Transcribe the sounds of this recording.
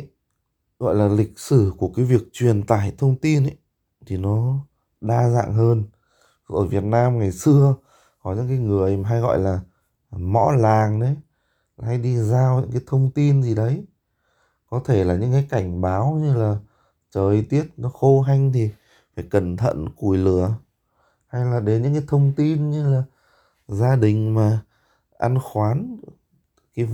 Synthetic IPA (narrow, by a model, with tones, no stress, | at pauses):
ɣɔ̰˧˨jlaː˨˩lï˨˩k̟̚sɨ˧˩ku˧˩əkaː˨˦jvi˨˩ək̚t͡ɕwi˨˩ənt̪a̰ː˧˩jt̪ʰə˧wŋ͡mt̪i˧nʔə˨˦j | t̪ʰi˨˩nɔ˨˦ | ɗaː˧za̰ː˧˨ŋɦəː˧n˧ | ʔəː˧˩vi˨˩ət̚naː˧mŋa˨˩jsɨ˧ə | kɔ˨˦ɲɨ̰˧˥ŋk̬aː˨˦jŋɨ˨˩əjm˨˩ɦa˧jɣɔ̰˧˨jlaː˨˩ | mɔ̰˧˥laː˨˩ŋɗe˨˦˨ | ha˧jɗi˧zaː˧wɲɨ̰˧˥ŋkaː˨˦jt̪ʰə˧wŋ͡mt̪i˧nzi˨˩ɗə˨˦j | kɔ˨˦t̪ʰe˧˩laː˨˩ɲɨ̰˧˥ŋkaː˨˦jka˧˩jŋ̟ɓaː˨˦wɲɨ˧laː˨˩ | t͡ɕəː˨˩jt̪i˦˥ət̚nɔ˨˦xo˧ɦa˧jŋ̟t̪ʰi˨˩ | faː˧˩jkə˨˩nt̪ʰə̰˧˨nku˧˩jlɨ˧˩ə | ha˧jlaː˨˩ɗe˨˦nɲɨ̰˧˥ŋkaː˨˦jt̪ʰə˧wŋ͡mt̪i˧nɲɨ˧laː˨˩ | zaː˧ɗï˨˩ŋ̟maː˨˩ | ʔa˧nxwaː˨˦n | kaː˨˦